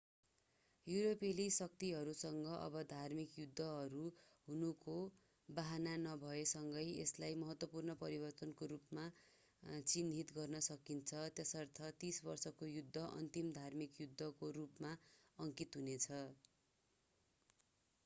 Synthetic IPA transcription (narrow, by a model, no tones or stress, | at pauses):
juɾopelisʌk̚t̪iɦʌɾusʌŋɡʌʔʌ̰bʌd̪ʱarmikjud̪ʱːʌɦʌɾu | ɦunuko | baɦananʌbʱʌesʌŋɡʌjḛslajmʌɦʌt̪wʌpurnʌpʌɾibʌrt̪ʌnkoɾupma | t͡sind̪ʱit̪ɡʌrnʌsʌkint͡sʰʌt̪jesʌrt̪ʰʌt̪isbʌrsʌkojud̪ʱːʌʔʌ̰nt̪imd̪ʱarmikjud̪ʱːʌkoɾupmaʌŋkit̪ɦunet͡sʰʌ